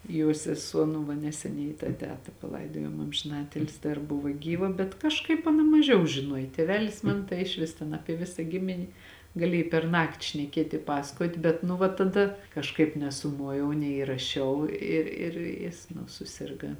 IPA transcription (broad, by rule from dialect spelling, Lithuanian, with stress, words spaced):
joː sʲɛˈsuɔ nʊ ˈʋɐ nʲɛsʲɛˈnʲɛɪ tɑː ˈtʲæːtɐ pɐˈlˠɐɪdoːjoːm ɐmʲʒʲɪˈnɑːtʲɪlʲsʲɪ dɐr ˈbʊʋɐ ˈɡʲiːʋɐ bʲɛt kɐʃˈkɐɪp ɐˈnɐ mɐˈʒʲɛʊ ʒʲɪˈnuɔj ˈtʲeːʋʲɛlʲɪs ˈmɐn tɐɪ ɪʃʲˈʋʲɪs tʲɛn ˈɑːpʲiɛ ˈʋʲɪsɐ ˈɡʲɪmʲɪnʲɪ ɡɐˈlʲiɛj pʲɛrˈnɑːktʲɪ ʃʲnʲɛˈkʲiɛtʲ ɪ ˈpɑːsɐkoːtʲ ˈbʲɛt nʊ ʋɐ tɐˈdɐ kɐʃˈkɐɪp nʲɛsʊˈmoːjɛʊ nʲɛiːrɐˈʃʲɛʊ ˈɪ ɪr ˈjɪs nʊ sʊˈsʲɪrɡɐ